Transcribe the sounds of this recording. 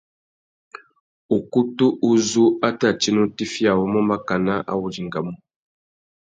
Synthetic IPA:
u˨ku˦tu˦ʔu˦zu˦a˦ta˦˨t͡ʃi˦nu˦ti˦fja˨wɔ˦mɔ˦ma˦ka˨na˦ʔa̰˦wu˨d͡ʒi˨ŋ˨ɡa˨mu˦

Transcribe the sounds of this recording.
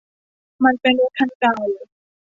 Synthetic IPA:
ma˧npe˧nu˦˥kʰa˧˩nkaː˧˩w

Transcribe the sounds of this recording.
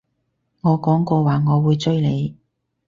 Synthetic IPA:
ŋɔː˨˧kɔː˨˥ŋkɔː˧waː˨ŋɔː˨˧wuː˨˧jt͡ʃɵ˥ɥle˨˧j

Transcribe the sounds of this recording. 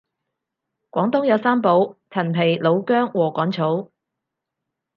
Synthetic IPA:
kʷɔː˨˥ŋt̪ʊ˥ŋjɐ˨˧wsaː˥mpo˨˥wt͡sʰɐ˨˩npʰe˨˩jlo˨˧wkœː˥ŋwɔː˨˩kɔː˨˥ŋt͡sʰo˨˥w

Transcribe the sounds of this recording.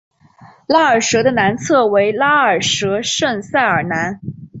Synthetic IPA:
la˥ə˞˨˩ʂɤ˧˥d̪ə˧na˧˥nt͡sʰɤ˥˩we˧˥ɪla˥ə˞˨˩ʂɤ˧˥ʂə˥˧ŋsa˥˩ɪə˞˨˩na˧˥n

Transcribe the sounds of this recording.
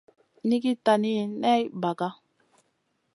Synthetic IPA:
ni˦ki˦ta˨ni˦˨nɛ˦jba˨ka˦

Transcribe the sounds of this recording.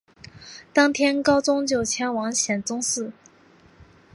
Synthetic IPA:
t̪ɑ˥ŋt̪ʰjɛ˥nkɑ˥ʊt͡sʊ˥ŋt͡ɕjo˥˩ʊt͡ɕʰjɛ˧˥nwɑ˧˥ŋɕjɛ˨˩nt͡sʊ˥ŋsɹ̩˥˩

